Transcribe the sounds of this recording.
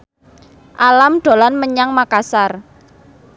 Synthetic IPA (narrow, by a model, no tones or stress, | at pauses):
ʔalamɖ̪̥o̤lanməɲaŋmakasar